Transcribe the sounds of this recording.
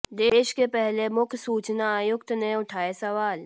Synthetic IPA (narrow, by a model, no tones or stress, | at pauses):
d̪eːʃkepɛɦlemʊkʰsuːt͡ʃnaaːjʊkt̪neʊʈʰaːesɐʋaːl